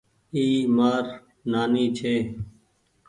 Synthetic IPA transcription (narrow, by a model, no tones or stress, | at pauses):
iːmaːɾ | naːniːt͡ʃʰeː